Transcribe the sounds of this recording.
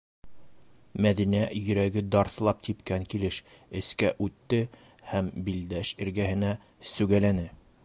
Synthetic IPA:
mæðinæjɵ̆ɾæɡɘd̪ɑɾθlˠɑp̚t̪ipkæŋkilɘʃ | ɘ̆skæʔʉt̪ːɘ | hæmbild̪æʃɘ̆ɾɡæhɘ̆næ | sʉɡælænɘ

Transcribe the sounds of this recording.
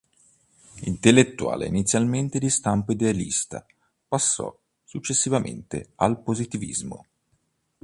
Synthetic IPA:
int̪elːet̪ːuwa̰ːlḛinit̪sjalment̪ed̪ist̪ampoid̪ealḭst̪a̰ | pasːɔ̰ | sut͡ʃːesːivamḛnt̪ealpozit̪ivḭzmo̰

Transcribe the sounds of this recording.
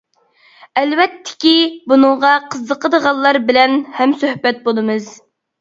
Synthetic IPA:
ɛlwɛt̪ʰːɪ̥kʲibunɨŋʁɑqʰəzːəqʰəd̪əʁɑlˠːɑɾbɪlɛnhɛmsøhbɛt̪̚bolˠɨmɨz

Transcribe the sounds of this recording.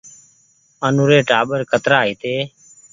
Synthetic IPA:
ənuːɾeːʈaːɓəɾkʰət̪ɾaːɦiːt̪eː

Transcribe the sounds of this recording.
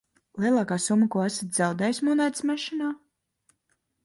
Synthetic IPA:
lˠiɛlˠɑːkaːsumːəkuɔæsat̪ʲz̥awd̪ɛjsmɔnajt̪smɛʃinaː

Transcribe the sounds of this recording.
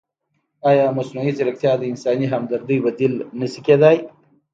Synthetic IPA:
ɑjɑːmɐsnuiziɾɐk̚t̪jɑd̪əɪnsɑːniɦɐmd̪ɐɾd̪ijbɐd̪ilnəsiked̪aj

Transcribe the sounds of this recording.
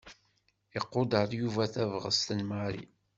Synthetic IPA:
eqːod̪əɾˤjuvæθævʁə̰st̪ənmaɾḭ

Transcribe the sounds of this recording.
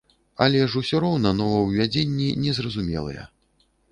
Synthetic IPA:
ɐlʲɛʐusʲɔɾɔwnɐnɔvɐwvʲad͡zʲenʲːinʲɛzrɐzumʲɛ̰lˠɨ̰jɛ̰

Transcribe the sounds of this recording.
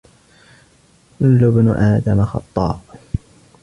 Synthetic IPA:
lːʊbnʊʔaːd̪amaxɑ̰t̪ˤːɑ̰ːb

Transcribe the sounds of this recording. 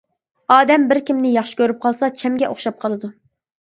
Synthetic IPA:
ɑːd̪ɛmbɪɾkʲimnɪjɑχʃɪ̥kʲʰøɾyp̚qʰɑlˠsɑt͡ʃʰɛmɡʲɛʔoχʃɑp̚qʰɑlˠɨd̪u

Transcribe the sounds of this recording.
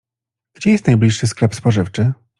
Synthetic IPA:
ɡ̥d͡ʑɛjɛst̪najblʲiʂːɘsklɛpspɔʐɘft͡ʂɘ

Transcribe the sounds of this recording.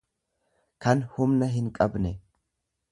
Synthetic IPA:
kɐnhʊmnɐɦɪnkʼɐbnɛ

